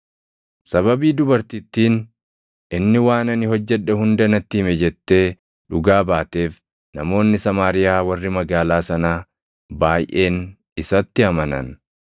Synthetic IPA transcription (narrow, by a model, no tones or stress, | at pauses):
sɐβɐbiːd̪ʊbɐɾt̪ɪt̪ːiːn | ɪnːɪwaːnɐnɪhɔd͡ʒːɛᶑːɐhʊnd̪ɐnɐt̪ːiːmɛd͡ʒɛt̪ːe̞ː | ᶑʊɡaːbaːt̪e̞ːf | nɐmo̞ːnːɪsɐmaːɾɪjaːwɐrːɪmɐɡaːlaːsɐnaː | baːjʔe̞ːn | ɪsɐt̪ːɪɐmɐnɐ̰n